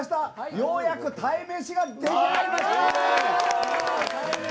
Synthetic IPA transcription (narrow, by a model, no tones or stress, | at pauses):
ɕi̥t̪ajojakɯ̟t̪ʰaimeːɕiɡad̪ekʲinamaɕt̪a